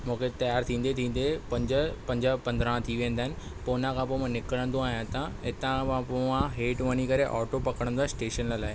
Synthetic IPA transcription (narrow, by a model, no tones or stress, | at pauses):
mũːkʰet̪ɐjaːɾt̪ʰĩːn̆d̪et̪ʰĩːn̆d̪epɐ̃ɲd͡ʑəpɐ̃ɲd͡ʑəpɐ̃nd̪ɾãt̪ʰiʋẽə̃nd̪aːɦɪnɪ̆ | poːnãkʰãpoːmãnɪkəɽə̃nd̪oaːɦjãt̪ãɦɪt̪ãkããpoãɦeːʈʋɐɲikɐɾeʔɔːʈopɐkəɽə̃nd̪asʈeːʃənllaːɪ